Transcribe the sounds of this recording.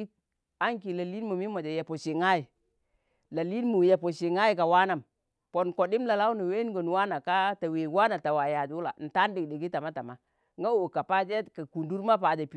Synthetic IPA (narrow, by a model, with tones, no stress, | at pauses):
a˦ŋki˨la˨li˦n˦mu˨mi˦mo˨d͡ʒe˨je˨po˨ʃi˨ŋa˦ji˨ | la˨li˦nmu˨je˨po˨si˨ŋa˦ji˨ka˨wa˦na˨m | pɔ˨nko˨di˦mla˨la˦wna˨we˦ɡo˨n˨wa˦na˨ka˦ta˨we˨wa˦na˨ta˨wa˨ja˨d͡ʒu˦la̰˨n̩˨ta˦n˦di˨kdi˨ɡi˦ta˨ma˦ta˨ma˦ | ŋɡa˦˨ka˨pa˦d͡ʒe˦ka˨ku˨ndu˦ɾma˦pa˨d͡ʒa˨pi˦